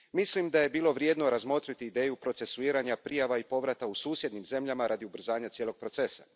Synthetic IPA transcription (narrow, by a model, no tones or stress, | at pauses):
mislimd̪aje̞biːlˠo̞ʋɾje̞d̪no̞ɾazmo̞t̪ɾit̪iːd̪e̞ːjupɾo̞t̪se̞suiːɾaɲapɾijaʋaipo̞ʋɾat̪ausuːsʲjed̪nimze̞mʎamaɾʔad̪iubr̩zaːɲat̪sjelo̞ɡ̚pɾo̞t̪se̞sa